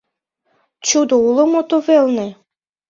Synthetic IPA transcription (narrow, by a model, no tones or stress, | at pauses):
t͡ɕud̪ouləmot̪ovelne